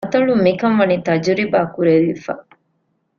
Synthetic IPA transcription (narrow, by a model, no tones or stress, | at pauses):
t̪ɐɭumikɐmʋɐnit̪ɐd͡ʒuɾibaːkuɾeʋifɐ̰